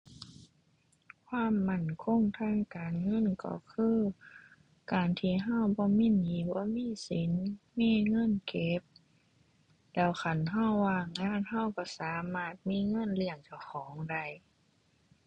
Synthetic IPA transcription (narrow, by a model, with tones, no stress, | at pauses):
kʰwaː˧˥˨mːa˧˩˨nkʰo˧˥˨ŋt̪ʰaː˧˥˨ŋkaː˨nŋɤ˧˥˨nkɔ̰˧˩kʰɯː˧˥˨ | kaː˨˩nt̪ʰiː˧˨ɦa˧˥˩wbɔː˧˦miː˧˥˨niː˨˦bɔː˧˦miː˧˥˨si˨˦nmiː˧˥˨ŋɤ˧˥˨nke˧˥p̚ | lɛː˧˩wxa˧˩nɦa˧˥˨wːaː˧˩˨ŋːaː˧˥˨nha˧˩˨wkɔ˧˩saː˨˦maː˧˩t̪̚miː˧˥˨ŋɤ˧˥˨nli˧˩əŋt͡ɕa˧˩wxʰɔː˨˦ŋda˧˩˨j